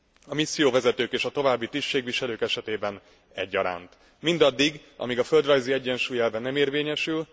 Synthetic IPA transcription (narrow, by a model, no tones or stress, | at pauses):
ɒmisːijoːvɛzɛt̪øːkeːʃɒt̪o̞vaːbːit̪isʃeːɡʋiʃɛløːkɛʃɛt̪eːbɛn | ɛ̰ɟːɒ̰ɾa̰ːnt̪ | mind̪ɒd̪ːiɡ | ʔɒ̰miɡɒføld̪rɒjziɛɟːɛnʃuːjɛlvɛnɛmeːrveːɲɛʃyl